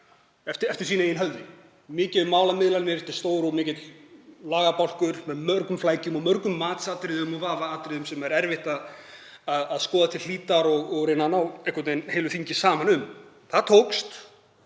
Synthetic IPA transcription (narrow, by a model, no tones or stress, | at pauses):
ɛft̪ɪɛft̪ɪɾ̥siːnaejɪnɦœlðɪ | mɪːcɪðmːaːwlamɪðlanmɪɾɛft̪ɪ̥ɾ̥st̪oːwɾɔmɪːcɪt̪llaːɣapawl̥kʏɾ̥mɛðmœɾkʏmflaːjcʏmɔmœɾkʏmːaːt̪saːt̪ɾɪðʏmɔvaːvaaːt̪ɾɪðʏmsɛmɛɾɛɾvɪht̪að | aðaðskɔːðat̪ʰɪl̥liːt̪aɾɔɣɔɣɾenːanawehkvɔt̪nejnhejlʏθiɲcɪsaːmanʏm | θaðt̪ʰowkst̪